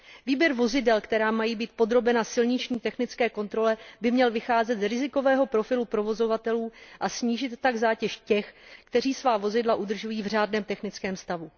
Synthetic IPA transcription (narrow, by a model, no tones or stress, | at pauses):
viːbjɛɾvo̞zɪdɛlkt̪ɛɾaːmajiːbiːt̪̚po̞d̪ɾo̞bɛnasɪlɲɪt͡ʃɲiːt̪ɛxnɪt͡skɛːko̞nt̪ɾo̞lɛbɪmɲɛlvɪxaːzɛt̪zɾɪzɪko̞vɛːɦo̞pɾo̞fɪlupɾo̞vo̞zo̞vat̪ɛluːʔasɲiːʒɪt̪ːaɡzaːcɛʃcɛxkt̪ɛriːsvaːvo̞zɪdlaʔud̪r̩ʒujiːvr̝aːdnɛːmt̪ɛxnɪt͡skɛːmst̪avu